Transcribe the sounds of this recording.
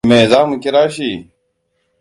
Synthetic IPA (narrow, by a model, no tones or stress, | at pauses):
meːzaːmukeɾaːɕiː